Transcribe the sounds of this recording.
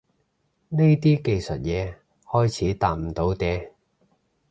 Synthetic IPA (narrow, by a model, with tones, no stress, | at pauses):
ne˥jt̪iː˥ke˧jsɵ˨t̚jɛː˨˧ | hɔː˥jt͡sʰiː˨˥t̪aː˧˩m̩˨˩t̪o˨˥wt̪ɛː˧